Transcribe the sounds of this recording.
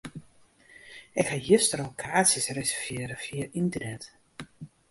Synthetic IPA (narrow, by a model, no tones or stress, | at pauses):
ɪkhajøstərokʰaːtsjəsresɛrvjɪːɾəfiəintərnɛt